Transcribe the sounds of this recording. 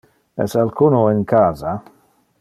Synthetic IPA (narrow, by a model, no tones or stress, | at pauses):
ɛ̰salkunoinkʰaːza